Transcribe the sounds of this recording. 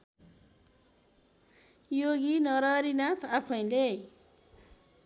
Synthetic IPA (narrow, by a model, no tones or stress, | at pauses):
joɡinʌɾʌɾinat̪ʰapʰʌj̃le